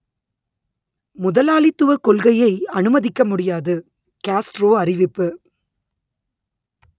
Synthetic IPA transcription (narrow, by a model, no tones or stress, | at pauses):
mʊðɐlaːlɪt̪ːɯʋɐkɔlɣɐjɐɪɐnɯmɐðɪkːɐmʊɽɪjaːðɯ | kaːsʈɾoːɐrɪʋɪpːɯ